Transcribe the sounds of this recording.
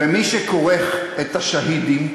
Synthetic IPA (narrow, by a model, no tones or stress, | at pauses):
emiʃekoʁeχet̪haʃahidim